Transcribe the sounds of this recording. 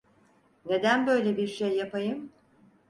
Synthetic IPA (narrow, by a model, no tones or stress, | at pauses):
ne̞d̪ænbø̞jlʲebiɾʃejːapajɯm